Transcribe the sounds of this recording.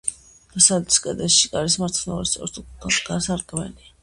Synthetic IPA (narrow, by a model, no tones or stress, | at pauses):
ɡ̥̪asalt̪ʰi̥skʼɛd̪ɛʃikʼaɾismaɾt̪ʰnɛuɾist̪ʼɔ̰ɾt̪aɡ̥asaɾkʼmɛ̰li